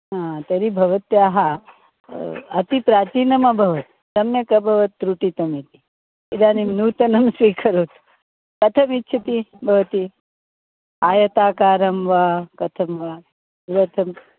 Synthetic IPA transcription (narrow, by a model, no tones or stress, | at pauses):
ɦãt̪eɾibʱɐʋɐt̪jaɦa | ɐ̰t̪ipɾaːt͡ʃiːnɐmabʱɐʋɐt̪ | sɐmjɐkɐbʱɐʋɐt̪ːɾuʈit̪ɐmit̪i | id̪aːnimnuːt̪ɐnɐmsʋiːkʰɐɾoːt̪ | kɐt̪ʰɐmitːt͡ʃʰɐt̪ibʱɐʋɐt̪i | aːjɐt̪aːkaːɾɐmʋakɐt̪ʰɐmʋa | ɾɐt̪ʰɐm